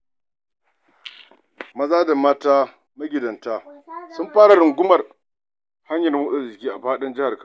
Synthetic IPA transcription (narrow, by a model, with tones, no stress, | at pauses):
mɐ˦zaː˦da˨maː˦taː˦ | ma˦ɡʲɪ˨dɐ˨ntaː˦sʊ˦mɸaː˦ɽa˨ɽʊ˨ŋɡʷʊ˦mɐ˨r | ha˦ɲjɐ˨n˦wʊ˦ɗa˨zɪ˨kʲiː˦ʔa˨ɸaː˦ɗɐ˦nd͡ʒɪ˦ha˨rka˦˨